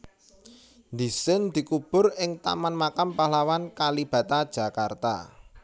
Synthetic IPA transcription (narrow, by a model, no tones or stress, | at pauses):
nd̪isɪnd̪̥i̤kub̥ʊ̤rɪŋt̪a̰manmakampalawankalib̥ä̤t̪ad̥ʒ̥a̤kart̪a̰